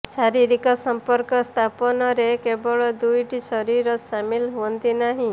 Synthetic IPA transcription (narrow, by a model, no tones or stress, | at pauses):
saɾiɾikɔsɔmpɔɾkɔst̪ʰapɔnɔɾekebɔɭɔd̪ujʈisɔɾiɾɔsamilɦuɔnt̪inaɦĩ